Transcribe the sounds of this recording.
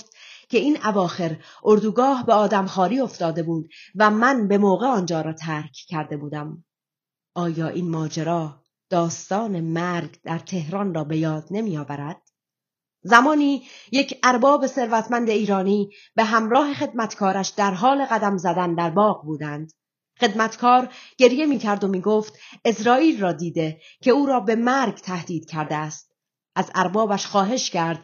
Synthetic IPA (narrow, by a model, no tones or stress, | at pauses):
ft̪kʲʰe̞iːnævɒːxe̞ɾʔoɾd̪uːɡɒːhbeɒːd̪æmχɒːɾiːo̞ft̪ɒːd̪e̞buːd̪væmænbe̞moːɣe̞ɒːnd͡ʒɒːɾɒːt̪ʰæɾkʰcʰːæɾd̪e̞buːd̪æm | ʔɒːjɒːʔiːnmɒːd͡ʒeɾɒː | d̪̥ɒːst̪ɒːne̞mæɾɡd̪̥æɾt̪ʰe̞hɾɒːnrɒːbe̞jɒːd̪̥ne̞miːjɒːvæɾæd̪̥̚ | zæmɒːniːje̞cʰæɾbɒːbe̞se̞ɾvæt̪ʰmænd̪e̞iːɾɒːniː | b̥e̞ɦæmɾɒːɦe̞χe̞d̪̚mæt̪ʰkʰɒːɾæʃd̪æɾɦɒːle̞ɣæd̪æmzæd̪ænd̪æɾbɒːɣbuːd̪ænd̪̥ | χe̞d̪mæt̪kʰɒːɾɟ̥e̞ɾje̞miːcʰæɾd̪omiːɡoːft̪e̞sɾɒːiːlrɒːd̪iːd̪e̞ | cʰe̞uːɾɒːbe̞mæɾɡt̪ʰæhd̪̥iːd̪̥cʰæɾd̪eæst̪̚ | ʔæzæɾbɒːbæʃxɒːɦe̞ʃcʰæɾd̪̥